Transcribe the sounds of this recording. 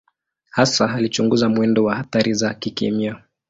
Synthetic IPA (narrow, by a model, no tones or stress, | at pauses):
hasaɦalit͡ʃuŋɡuzamwɛndɔwahaθaɾizakikɛ̰mia